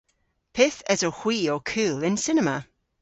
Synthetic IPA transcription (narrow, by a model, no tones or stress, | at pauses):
pʰɪθɛzɔhw̥iːɔkʰʉːlˠɪnsɪnɛma